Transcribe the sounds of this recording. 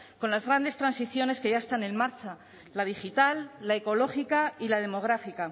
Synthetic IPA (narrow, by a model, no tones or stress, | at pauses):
ko̞nlazɣɾand̪e̞st̪ɾansiθjo̞ne̞ske̞ʝaest̪ane̞nmaɾt͡ʃa | lað̞ixit̪alːae̞ko̞lo̞xikailað̞e̞mo̞ɣ̞ɾafika